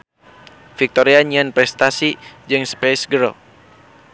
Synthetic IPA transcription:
fik̚t̪ɔɾiaɲianpɾɛst̪asid͡ʒɨŋspɛsɡəɾo̰

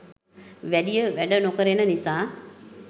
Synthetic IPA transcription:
ʋæɖijəʋæɖənokəɾenənisaː

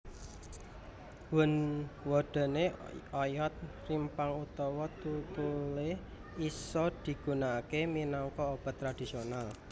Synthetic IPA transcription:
wənwɔɖ̪̥a̤neɔjɔt̪̚rimpaŋut̪ɔwɔt̪ut̪ulɪh | isɔd̪̥i̤ɡ̥ṳnaːkeminɔŋkɔob̥a̤t̪ːɾad̪̥isional

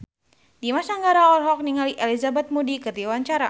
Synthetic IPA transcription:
dimasaŋɡaɾaɔlɦɔk̚niŋaliʔelizabɛt̪̚mudikɨrd̪iwaɲt͡ʃaɾa̰

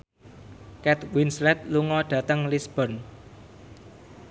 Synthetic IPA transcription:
kɛt̪winslɛt̪̚luŋɔɖ̪̥ä̤t̪əŋlisb̥ɔn

